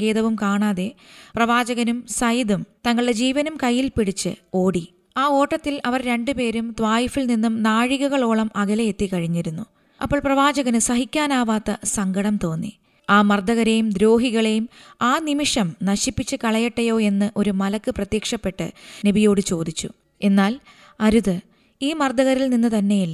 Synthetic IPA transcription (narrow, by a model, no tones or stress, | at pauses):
ɡe̞ːðɐʋumkaːɳaːðe̞prɐʋaːd͡ʑɐɣɐnumsɐjd̪umt̪ɐŋːɐɭɨɽe̞d͡ʑiːʋɐnumkɐjːilpiɽit͡ɕːɨ̰o̞ːɽi | aːo̞ːʈːɐt̪ːilɐʋɐrɾe̞ɳɖɨpe̞ːɾumt̪ʋaːjifilninːumnaːɻiɣɐɣɐɭo̞ːɭɐmɐɣɐlɐet̪ːikɐɻiɲːiɾunːu | ɐ̰pːoɭprɐʋaːd͡ʑɐɣɐnɨsɐɦikʲːaːnaːʋaːt̪ːɐsɐŋɡɐɽɐmt̪o̞ːnːḭ | aːmɐrd̪ɐɣɐɾejumd̪ɾo̞ːɦiɣɐɭejumaːnimiʂɐmnɐɕipːit͡ɕːɨkɐɭɐjɐʈːɐjo̞ːe̞nːɨʔo̞ɾumɐlɐkːɨprɐt̪jeːkʂɐpːe̞ʈːɨ̰nebijo̞ːɽɨt͡ɕo̞ːd̪it͡ɕːṵ | e̞nːaːl | ɐɾuðɨ | iːmɐrd̪ɐɣɐɾilninːɨt̪ɐnːe̞jilːɐ